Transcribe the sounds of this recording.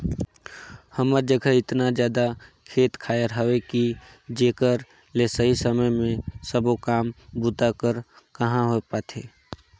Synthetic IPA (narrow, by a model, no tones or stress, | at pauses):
həməɾd͡ʒəɡʱəɪt̪nad͡ʒjaːd̪a | kʰeːt̪kʰaːjəɾɦəweki | d͡ʒeːkəɾ | lesəɦisəməjmẽsəbokaːmbʊt̪akəɾ | kəɦãɦopaːt̪ʰḛː